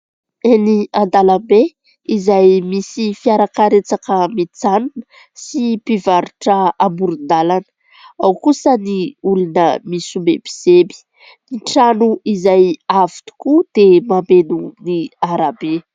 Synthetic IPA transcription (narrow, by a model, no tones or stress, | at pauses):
eniand̪alambe | izajmisifiaɾakaɾet͡sakəmit͡sanunə̥ | sipivaɾuʈ͡ʂəambuɾund̪alanə̥ | awkusəniulunəmisumḛbi̥z̥ebi̥ | niʈ͡ʂanuʔizajavi̥t̪u̥kud̪̥emamenuniaɾabe